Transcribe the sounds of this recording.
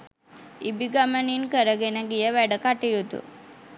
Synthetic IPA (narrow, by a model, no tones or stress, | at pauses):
ibiɡaməninkəɾəɡenəɡijəʋɛɽəkaʈijut̪ṵ